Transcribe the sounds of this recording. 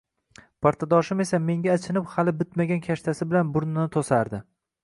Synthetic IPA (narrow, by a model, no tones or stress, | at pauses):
pʰaɾt̪ʰad̪ɒʃɪme̞same̞ŋɡʲaːt͡ʃʰɪnɪphalɪbɪt̪maɡʲankʲʰaʃt̪ʰasɪbɪlanbʊɾnɪnɪt̪ʰosaɾd̪ɪ